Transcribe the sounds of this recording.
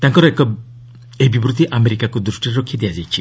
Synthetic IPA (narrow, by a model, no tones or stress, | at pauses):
t̪aŋkɔɾɔekɔ | ebibɾut̪iʔameɾikakud̪ɾusʈiɾɔkʰid̪ijad͡ʒajt͡ʃʰi